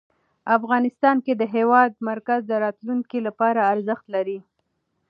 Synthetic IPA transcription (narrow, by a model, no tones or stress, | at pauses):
afɣɑnɪst̪ɑnked̪əɦewɑd̪̚maɾkazd̪əɾɑt̪luŋkilapɑɾaːɾzəxt̪laɾi